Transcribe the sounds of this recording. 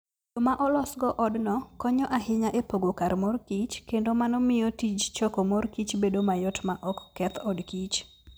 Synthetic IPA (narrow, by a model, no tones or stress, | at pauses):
domaʔɔlɔsɡɔʔɔdnɔkɔɲɔʔaɦɪɲaʔepoɡokarmɔrkit͡ʃkendomanɔmɪjɔtid͡ʒt͡ʃɔkomɔrkit͡ʃbedomajɔtmaʔɔkːɛt̪ʰɔdkit͡ʃ